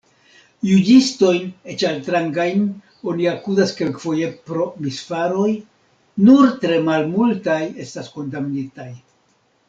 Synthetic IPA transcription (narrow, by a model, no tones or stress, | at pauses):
jud͡ʒisto̞jne̞t͡ʃaltɾaŋɡajn | o̞niakuzaske̞lkfo̞je̞pɾo̞misfaɾo̞j | nuɾtɾe̞malmultaje̞stasko̞ndaminitaj